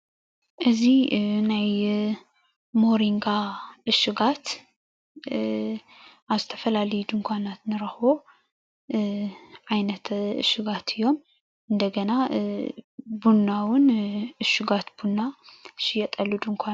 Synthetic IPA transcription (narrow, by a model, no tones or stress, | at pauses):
ʔɨzinaj | moɾiŋɡaʔɨʃɪɡat̪ | ʔaβzɨt̪ʰɐ̥fɐlalɐjud̪ɨmkʷʰanat̪nɨɾɐxbo̞ | ʕajnɐt̪ɨ̰ʃɪɡat̪ʰɨjːo̞m | ʔɨnd̪ɐɡɐna | bunːawʊnɨʃɪɡat̪b̥unːaʃɪjɛt̪ʼɐlːud̪ɨmkʷʰa